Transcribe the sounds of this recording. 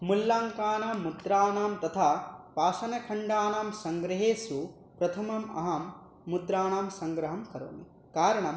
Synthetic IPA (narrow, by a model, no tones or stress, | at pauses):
mulːaːŋkaːnaːmːud̪ɾaːnaːmt̪ɐt̪ʰaːpaːsɐnɐkʰɐɳɖaːnaːmsɐŋɡɾɐɦeːsu | pɾɐt̪ʰɐmɐmɐ̰ɦɐmː | ut̪ɾaːnaːmsɐŋɡɾɐɦɐmkɐɾo̰ːmi | kaːɾɐɳɐm